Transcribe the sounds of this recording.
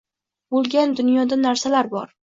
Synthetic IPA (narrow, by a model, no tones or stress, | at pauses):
bolˠɡʲand̪ʊnjɒd̪anaɾsalaɾbɒɾ